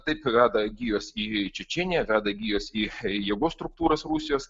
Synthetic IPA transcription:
t̪ɐɪpʋʲæːd̪ɐɡʲiːjoːsiːt͡ʃʲɛt͡ʃʲɛnʲɪjɛʋʲæːd̪ɐɡʲiːjoːsiːjɛɡoːst̪ɾʊk̚t̪uːɾɐsɾusʲɪjoːs

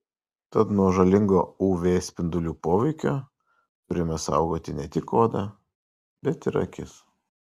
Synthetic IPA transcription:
t̪ɐt̪nuɔʒɐlʲɪŋɡoːuːʋʲeːsʲpʲɪnd̪ʊlʲuːpoːʋʲɛɪkʲoː | t̪ʊɾʲɪmʲɛsɐ̰ˑʊɡoːt̪ʲɪnʲɛt̪ʲɪkːoːd̪ɐ | bʲɛt̪ɪɾɐ̰kʲɪs

